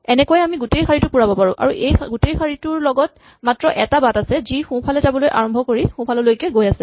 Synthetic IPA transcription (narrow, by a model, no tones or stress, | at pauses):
ɛnɛkojɛamiɡutejxaɹitʊpuɹabɔpaɹʊ̃ʔa̰ɹuʔejɡutejxaɹitʊɹlɔɡɔt | matɹɔʔɛtabatasɛzixũpʰalɛzabɔlojʔa̰ɹɔmbʱɔkoɹixʊ̃pʰalɔlojkɛɡojasɛ